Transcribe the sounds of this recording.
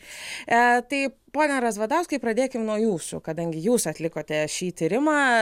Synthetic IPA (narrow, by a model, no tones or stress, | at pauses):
t̪ɐɪpoːnʲɛɾɐsʋɐd̪ɐʊskɐɪpɾɐd̪ʲeːkʲɪmnuɔjuːsʊ̰kɐd̪ɐŋʲɡʲɪjuːsɐt̪ʲlʲɪkoːt̪ʲɛʃʲiːt̪ʲiːɾʲɪmɑː